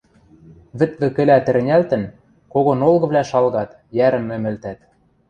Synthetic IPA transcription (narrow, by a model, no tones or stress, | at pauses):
βɘ̆t̪̚lɘ̆kɘ̆læt̪ɘ̆ɾɘ̆nʲælt̪ɘ̆n | koɣŏnolˠɣɤ̆βlʲæʃɑlɣɑt̪ | jæɾɘ̆mːɘ̆mɘ̆lt̪æt̪